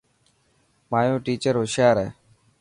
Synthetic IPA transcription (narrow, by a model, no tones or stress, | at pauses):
maːjõːʈiːt͡ʃəɾɦʊʃjaːɾɛ̰ː